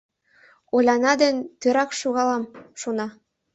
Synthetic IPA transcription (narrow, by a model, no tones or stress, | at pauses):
olʲɑnɑd̪ə̆nt̪øɾɑkʃuɣɑlɑmʃonɑ